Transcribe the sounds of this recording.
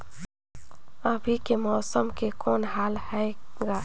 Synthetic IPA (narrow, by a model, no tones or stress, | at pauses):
əbʱikemɔːsəmkekɔːnɦaːlhɛɡaː